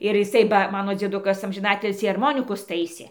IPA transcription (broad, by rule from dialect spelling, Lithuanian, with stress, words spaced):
ɪr jɪˈsɐɪ bɐ ˈmɑːnoː d͡zʲiɛˈdʊkɐs ɐmʲʒʲɪˈnɑːtʲɪlʲsʲiː ɐrˈmoːnʲɪkʊs ˈtɐɪsʲeː